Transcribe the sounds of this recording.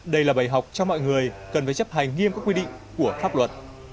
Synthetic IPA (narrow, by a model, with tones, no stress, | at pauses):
ɗə˧jlaː˨˩ɓaː˨˩jɦa˨˩wk͡p̚t͡ɕɔ˧mɔ̰˧˨jŋɨ˨˩əjkə˨˩nfaː˧˩jt͡ɕə˦˥p̚ha˨˩jŋ̟ŋi˧əmkaː˦˥kwi˧ɗḭ˧˨ŋ̟ | ku˧˩əfaː˦˥p̚lwə˨˩t̚